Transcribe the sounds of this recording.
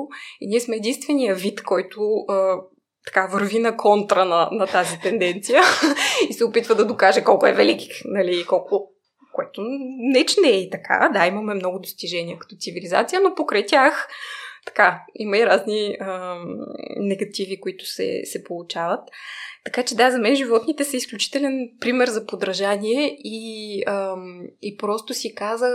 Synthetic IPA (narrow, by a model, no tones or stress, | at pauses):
iniɛsmɛɛd̪inst̪vɛnijəvit̪kɔjt̪ʊə | t̪ɐ̥kavəɾvinɐkʰɔnt̪ɾənɐnɐt̪azit̪ɛnd̪ɛnt̪sijəisɛʊpit̪vəd̪ɐd̪okaʒɛkɔlˠkoɛvɛliki̥xnɐliːkɔlˠkʊ | koɛt̪onɛt͡ʃnɛit̪ɐkʰa̰d̪aimɐmɛmnɔɡʊd̪ost̪iʒɛniəkɐ̥t̪ɔt̪siviliza̰t̪sijənopokɾɐjt̪ʲjaxt̪ɐ̥kaiməiɾazniə | nɛɡɐt̪ivikʊit̪ʊ̥sɛ̰sɛpolˠut͡ʃavət̪ːɐkat͡ʃɛd̪azɐmɛnʒivɔt̪nit̪ɛsɐisklʲut͡ʃi̥t̪ɛlʲɛnpɾimɛɾzɐpod̪ɾɐʒanʲiɛiəipɾɔst̪ʊsikazə